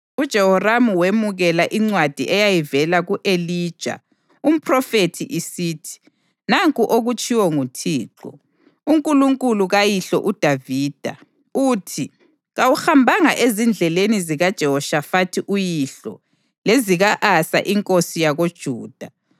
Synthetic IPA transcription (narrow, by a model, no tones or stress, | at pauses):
ud̥ʒ̥ʱɛhɔramuwemuɣɛlaʔiŋ͡ǀwad̥ʱḭʔɛjajivɛlaɣuʔeliːd̥ʒ̥ʱa̰ | um̩pʰʼrɔfetʰḭʔisiːtʰi̥ | naŋkʼuʔoɣut͡ʃʼiwɔŋutʰiːǁɔ̰ | uŋkʼuluŋkʼuluɣajiɬɔ̰ʔud̥ʱaviːd̥ʱa̰ | utʰi | ɣawuxambʱaŋaʔezind͡ɮʱɛleniziɣad̥ʒ̥ʱɛɔʃafatʰiʔujiɬɔ̰ | leziɣaʔasa̰ʔiŋkʼosijaɣod̥ʒ̥ʱuːd̥ʱa